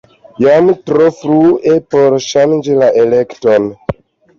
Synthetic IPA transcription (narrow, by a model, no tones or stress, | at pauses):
jamtɾofɾuepoɾʃand͡ʒilaʔelekton